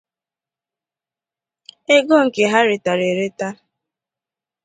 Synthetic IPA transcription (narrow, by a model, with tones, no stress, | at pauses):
e˦ɡo˦˨ŋ̩˨ke˨ɦa˦ɾɪ˨ta˨ɾe˨ɾe˦ta˦